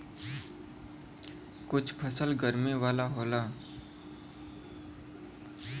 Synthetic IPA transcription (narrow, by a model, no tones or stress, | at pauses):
kʊt͡ʃʰpʰəsəlɡəɾmewaːlaɦoːlaː